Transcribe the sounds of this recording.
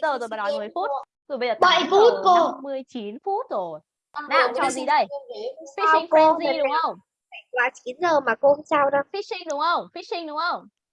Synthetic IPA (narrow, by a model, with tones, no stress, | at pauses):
zəː˨˩jzo˨˩ɓa˨˩˨a˧˩mɨ˨˩əjfu˦˥t̚ | z̥o˨˩ɓə˧zːɓə˧˩˨jfu˦˥t̚ko˧mɨ˨˧əjt͡ɕi˨˦nfu˦˥t̚zo˧˨˩j | ʔna˧˩˨a˧˩zi˨˩ɗə˧˩ji˨˦˧i˦˥˨i˧ŋko˧ziə˨˧˩ɗʊ˨˦ŋ͡mə˧wŋ͡m | a˧˩kwaː˨˦t͡ɕi˨˦nzəː˨˩maː˨˩ko˧hə˧saː˧wɗə˨˦fi˦˥si˧ŋɗʊ˨˦ŋ͡mxə˧wŋ͡mfi˦˥sï˧ŋ̟ɗʊ˨˦ŋ͡mxə˧wŋ͡m